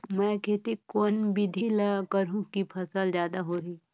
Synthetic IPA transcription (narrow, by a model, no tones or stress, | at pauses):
mɛ̃ːkʰeːt̪ikoːnbɪd̪ʱilkəɾɦũkipʰɐsəld͡ʒjaːd̪aɦoɾiː